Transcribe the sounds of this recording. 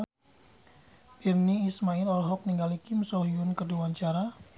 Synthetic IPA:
birniːsmailɔlɦɔk̚niŋɡalikɪmsɔɦiunkəduwaɲt͡ʃaɾa

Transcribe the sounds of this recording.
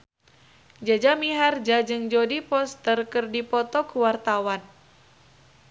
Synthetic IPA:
d͡ʒad͡ʒamiɦard͡ʒad͡ʒɨŋd͡ʒodipɔst̪ərkərdipɔt̪ɔkuwart̪awan

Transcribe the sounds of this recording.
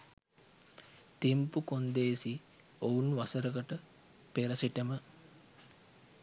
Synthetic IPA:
t̪impukond̪eːsi | ounʋasəɾəɡəʈə | peɾəsiʈəmə

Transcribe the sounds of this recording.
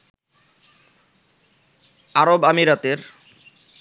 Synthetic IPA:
aɾobamiɾat̪eɾ

